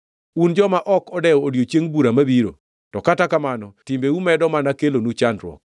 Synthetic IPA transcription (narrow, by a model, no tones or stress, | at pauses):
und͡ʒɔmaʔɔkɔdɛɔodjot͡ʃjeŋbuɾamabiɾo̰ | tɔkatakamanɔtɪmbeumɛdɔmanakelonut͡ʃandɾwɔ̰k̚